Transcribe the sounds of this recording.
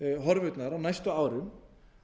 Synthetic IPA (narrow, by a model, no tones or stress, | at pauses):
ɦɔɾvʏt̪naɾawnajst̪ʏaːwɾʏm